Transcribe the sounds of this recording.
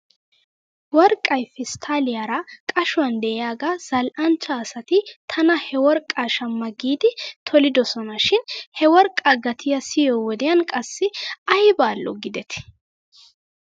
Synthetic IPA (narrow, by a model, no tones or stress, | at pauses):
wɔɾkʼːɐjfɪst̪ʰaːlɪjaɾɐkʼɐʃʊwɐnd̪ɛʔɪjaːɡaz̥ɐlʔɐnt͡ʃːɐːsɐt̪ɪt̪ʰɐnɐhɛwɔɾkʼːaʃɐmːɐɡiːd̪ɪt̪ʰɔlɪd̪ɔsɔnɐʃɪnhɛwɔɾkʼːɐɡɐt̪ʰɪjɐsɪjoːwɔd̪ɛjɐnkʼɐsːɪɐjbaːlʔɔ̰ɡɪd̪ɛt̪ɪ̥